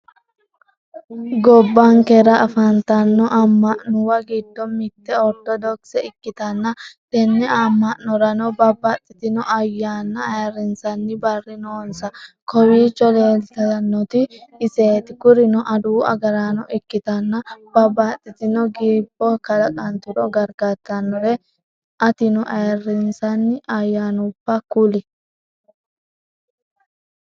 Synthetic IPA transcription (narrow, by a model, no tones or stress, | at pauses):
ɡɔbːaŋkɛɾɐʔɐfɐnt̪ɐnːɔʔɐmːɐʔnʊwɐɡid̪ːɔmɪt̪ːɛɔɾd̪ɔd̪ɔksɛɪkːɪt̪ɐnːɐd̪ɛnːɛamːɐʔnɔɾɐnɔbɐbɐt̪ʼːɪt̪ɪnɔʔɐjːaːnːɐːjɐɾɪnsɐnːɪbɐrːɪnoːnsɐkɔwiːt͡ʃːɔleːlt̪ɐnːɔt̪ɪːse̞ːt̪ɪkʊɾɪnɔʔɐd̪uːʔɐ̰ɡɐɾanɔʔɪkːɪt̪ɐnːɐb̥ɐbːɐt̪ʼːɪt̪ɪnɔɡiːb̥ːɔkɐlɐkʼɐnt̪ɪɾɔɡɐɾɡɐt̪ːɐnːɔɾɛ | ʔɐt̪ɪnɔʔɐjɐrːɪnsɐnːɪʔɐjːaːnʊpːɐkʊlɪ